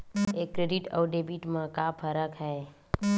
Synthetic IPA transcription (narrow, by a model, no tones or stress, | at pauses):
eːkːɾeɖɪʈɔ̰ːɖeːbiʈmãkapʰəɾəkɦɛː